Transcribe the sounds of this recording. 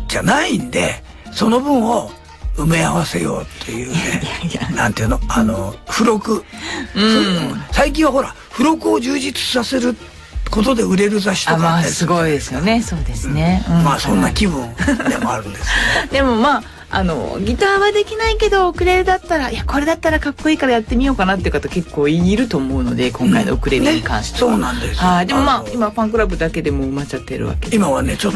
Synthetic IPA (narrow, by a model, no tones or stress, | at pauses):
d͡ʑanaind̪e̞̰ | so̞no̞bɯ̟̃ɰ̃o̞ | ɯmeaβase̞jo̞̰ːt̪ʰːe̞jɯːnnã̰nt̪ejɯ̟ːno̞ano̞ɸɯ̟ɾo̞kɯ̟ɯ̟̃hɯ̃saik̬ʲĩɰ̃βaɦo̞ɾa | ɸɯ̟ɾo̞kɯoʑɨːʑit͡sɨ̥sase̞ɾɯ̟ | ko̞t̪od̪e̞ɯ̟ɾe̞ɾɯ̟zaɕi̥t̪okaaesɨɡoid̪esɨjoneso̞ːd̪e̞sɨneɯ̟̃masõ̞nːakʲibɯ̃emoaɾɯ̟̃nd̪esd̪e̞mo̞maː | a̰no̞̰ɡʲit̪aːβad̪e̞kʲinaike̞d̪o̞okɯ̟ɾe̞ɾɯ̟d̪at̪ːaɾaiako̞ɾe̞d̪at̪ːaɾakakːo̞iːkaɾajat̪ːe̞mʲijo̞ːkanat̪ːeiɯ̟kat̪oke̞kːo̞ːiɲiɾɯ̟t̪o̞ːmo̞ɯ̟no̞̰d̪e̞kõ̞ŋkaḭnookɯ̟ɾe̞ɾɯɲikã̰ɰ̃ɕi̥soːnãnd̪eshaid̪e̞mo̞maːimapãŋkɯ̟ɾabɯ̟d̪ake̞d̪e̞mo̞ɯ̟mat͡ɕat̪ːe̞ɾɯ̰βa̰k̪e̞̥imaβanet͡ɕot̪ː